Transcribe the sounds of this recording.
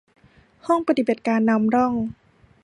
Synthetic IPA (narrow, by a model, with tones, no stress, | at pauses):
hɔ˥˩ŋpa˧t̪i˨ba˨˩t̪̚kaː˧nːa˧˥mɾɔ˥˩ŋ